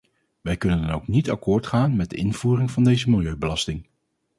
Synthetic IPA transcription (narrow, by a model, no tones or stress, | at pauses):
ʋɛjkɵnəndɑnowknitɑ̰kʊːɹtχaːnmɛd̚dəɪnv̥uːrɪŋvɑndejzəmɪlˠjøɥbəlɑstɪŋ